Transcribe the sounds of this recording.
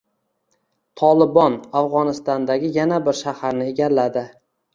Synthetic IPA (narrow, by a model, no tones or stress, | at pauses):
t̪ʰɒlˠɪbɒnafʁɒnɪst̪ɒnd̪aɡʲɪjanabɪɾʃahaɾnɪeɡʲalːad̪ɪ